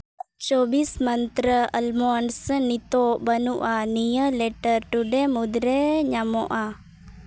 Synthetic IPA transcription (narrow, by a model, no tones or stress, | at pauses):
t͡ʃobismənt̪ɾəəlmɔnsnit̪ɔʔbənuʔanijəlɛʈəɾʈuɖɛmud̪ɾɛɲamɔʔa